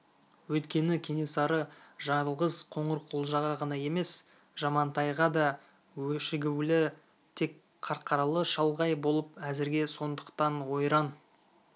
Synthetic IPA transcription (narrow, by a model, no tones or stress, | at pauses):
wɵjt̪kʲe̞nɪkʲʰe̞ne̞sɑɾəʒɑɴəlˠʁəzqʰo̞ɴəɾqʰolˠʒɑʁɑʁɑnɑje̞me̞s | ʒ̥ɑmɑnt̪ʰɑjʁɑd̪ɑ | wɵʃɪɡʲɪwlɪ | t̪ʰe̞k | qʰɑɾqɑɾɑlˠəʃɑlˠʁɑjbo̞lˠəpæzɪɾɡʲe̞so̞nd̪əqt̪ɑnwo̞jɾɑn